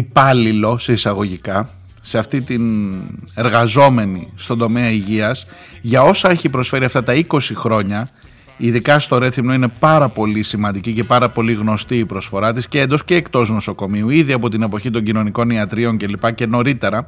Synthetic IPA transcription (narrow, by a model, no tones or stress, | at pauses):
ipɐlilo̞se̞isɐɣo̞ʝikɐ | se̞ɐft̪it̪in | e̞ɾɣɐzo̞me̞nist̪o̞nd̪o̞me̞ɐiʝiɐs | ʝɐo̞sɐe̞çipɾo̞sfe̞ɾiɐft̪ɐt̪ɐiko̞sixɾo̞ɲɐ | iðikɐst̪o̞ɾe̞θimno̞ine̞pɐɾɐpo̞lisimɐnd̪icice̞pɐɾɐpo̞liɣno̞st̪iːpɾo̞sfo̞ɾɐt̪isceend̪o̞sce̞ːkt̪o̞zno̞so̞ko̞miuiðiɐpo̞t̪ine̞po̞çit̪o̞ɲɟino̞niko̞niɐt̪ɾio̞ɲce̞lipɐce̞no̞ɾit̪e̞ɾɐ